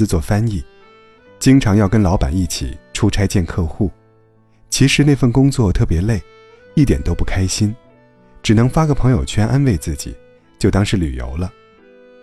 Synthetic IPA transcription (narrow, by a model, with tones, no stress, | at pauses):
ɹ̩˧t͡swɔ˥˩fa˥ni˥˩ | t͡ɕi˥ŋʈ͡ʂʰɑ˧˥ŋjɑ˥˩ʊkə˥nlɑ˧˥ʊpa̰˨˩ni˥˩t͡ɕʰḭ˨˩˦ʈ͡ʂʰu˥ʈ͡ʂʰa˥ɪt͡ɕjɛ˥˧nkʰɤ˥˧xu˥˩ | t͡ɕʰi˧˥ʂɻ̩˧˥n˥˧ɪfə˥˩nkʊ˥ŋt͡swɔ˥˩t̪ʰɤ˥˩pjɛ˧˥le˥˩ɪ | i˥˩t̪jɛ̰˨˩nt̪o˥ʊpu˥˩kʰa˥ɪɕi˥n | ʈ͡ʂɻ̩˨˩nɤ˧˥ŋfa˥ɡə˨˩pʰɤ˧˥ŋjo˨˩ʊt͡ɕʰɥɛ˥nʔa˥nwe˥˧ɪt͡sɹ̩˥˩t͡ɕḭ˨˩˦ | t͡ɕjo˥˩ʊt̪ɑ˥ŋʂɻ̩˧˥ly̰˨˩jo̰˧˥ʊlə˧